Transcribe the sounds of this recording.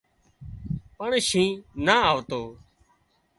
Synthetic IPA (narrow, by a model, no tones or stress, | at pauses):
pəɳʃĩːnaːaːʋt̪oː